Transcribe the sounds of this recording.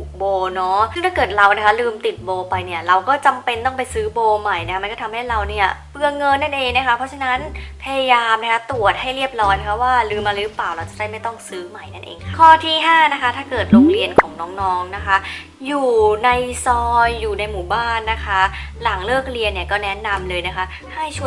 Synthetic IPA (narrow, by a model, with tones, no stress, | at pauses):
u˨˩boː˧nɔ˦˥˩ŋt̪ʰaː˥˩kɤː˨˩t̪̚ɾa˧wʔna˦˥kʰa˦˥lɯː˧mt̪i˨˩t̪̚boː˧pa˧jni˥˩ɐɾa˧wkɔː˥˩t͡ɕa˧mpe˧nt̪ɔː˥˩pa˧jsɯː˦˥boː˧ma˨˩jna˦˥a˥ma˧kɔː˥˩t̪ʰa˧mha˥˩jɾa˧wni˥˩ɐpɯ˧əŋɤ˧nːa˥˩nʔeː˧ŋna˦˥kʰa˦˥pʰɔ˦˥t͡ɕʰa˧na˦˥npʰa˧ja˧jaː˧mna˦˥kʰa˦˥t̪u˨˩ət̪̚ha˥˩jɾi˥˩əp̚lɔː˦˥jna˦˥kʰa˦˥waː˥˩lɯː˧mʔa˧lɯ˦˥plaː˨˩wɾa˧wt͡ɕa˨˩da˥˩ma˥˩jt̪ɔ˥˩ŋsɯː˦˥ma˨˩jna˥˩nʔḛː˧ŋkʰa˥kʰɔː˥˩t̪ʰiː˥˩ɦaː˥˩na˦˥kʰa˦˥t̪ʰaː˥˩kɤː˨˩t̪̚ɾoː˧˥˩k̚ɾi˧ənkʰɔː˩˦ŋnɔː˦˥ŋnɔː˦˥ŋna˦˥kʰa˦˥ | juː˨˩na˧jsɔː˧jːuː˨˩na˧jmuː˩˦baː˥˩nːa˦˥kʰa˦˥la˩˦ŋlɤː˥˩k̚ɾi˧ənːi˥˩ɐkɔː˥˩nɛ˦˥na˧mlɤː˧jna˦˥kʰa˦˥ | ha˥˩jt͡ɕʰu˥˩ə˩